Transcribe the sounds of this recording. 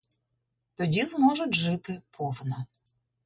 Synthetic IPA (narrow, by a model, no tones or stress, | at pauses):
t̪ɔdʲizmɔʐʊtʲʐɪt̪ɪpʰɔfnɐ